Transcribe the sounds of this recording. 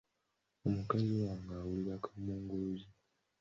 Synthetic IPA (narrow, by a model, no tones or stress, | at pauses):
omukaziwaːŋɡaːwuliɾakḁmuːŋɡuluzi